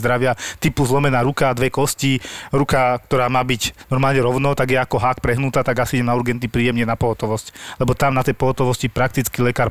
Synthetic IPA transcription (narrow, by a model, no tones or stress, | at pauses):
d̪ɾaʋɪat̪ipuzlɔmɛnaːɾukad̪ʋɛkɔsciɾukak̚t̪ɔɾaːmaːbiɟnɔɾmaːlɲɛɾɔʊnɔt̪aɡjɛakɔɦaːkpɾɛɦnut̪aːt̪aɡasiiɟɛmnauɾɡɛnt̪nipɾiːjɛmɲɛnapɔɦɔt̪ɔʋɔsclɛbɔt̪amnat̪ɛjpɔɦɔt̪ɔʋɔscipɾak̚t̪it͡skilɛkaːɾ